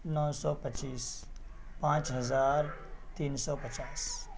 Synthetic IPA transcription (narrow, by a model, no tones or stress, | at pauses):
nɔːsɔːpət͡ʃiːs | pãːt͡ʃɦɐzaːɾt̪iːnsɔpət͡ʃaːs